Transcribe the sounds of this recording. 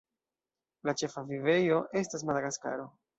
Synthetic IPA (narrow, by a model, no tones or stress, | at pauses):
lat͡ʃe̞favive̞jo̞ʔe̞stas̬madaɡaska̰ɾo̞